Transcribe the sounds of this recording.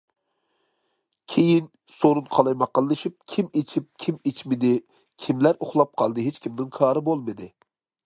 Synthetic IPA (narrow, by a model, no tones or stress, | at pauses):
kʲʰejin | soɾunqʰɑlˠɑjmɑqːəlˠːɨʃip̚kʲʰimet͡ʃʰip̚kʲʰimet͡ʃmɪd̪ɪ | kʲʰimlæɾoχlˠɑp̚qʰɑlˠd̪ɨɦet͡ʃʲkʲʰimnɪŋkʰɑːɾɨbolˠmɨd̪ɨ